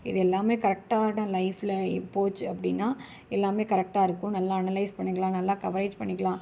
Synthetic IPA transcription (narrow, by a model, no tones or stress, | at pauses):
ɪðɛlːaːmeːkɐɾɛk̚ʈaːʈãːlɐɪflɐpoːt͡ʃːɐpːɐɽɪnːaː | ɛlːaːmeːkɐɾɛk̚ʈaːɪɾɯkːʊ̃nɐlːaːɐnɐlɐɪspɐɳːɪŋkːɐɭãːnɐlːãːkɐʋɐɾeːd͡ʒpɐɳːɪkːɐɭãː